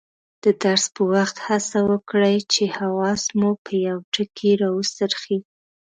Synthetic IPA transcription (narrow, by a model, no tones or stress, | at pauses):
d̪̥əd̪aɾspəwaxt̪hasawəkɽajt͡ʃehawɑsmupʰəjawʈəkʰeɾɑwəst̪əɾxi